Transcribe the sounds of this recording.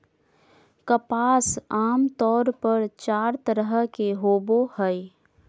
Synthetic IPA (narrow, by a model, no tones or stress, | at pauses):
kəpaːsaːmt̪ɔːɾpəɾt͡ʃaːɾt̪əɾəɦəkeɦoːbohəi